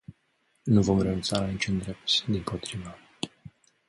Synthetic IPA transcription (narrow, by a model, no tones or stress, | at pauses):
nuvo̞mrenunt̪sanit͡ʃund̪ɾe̞p̚t̪sʲd̪inpʰot̪ɾivə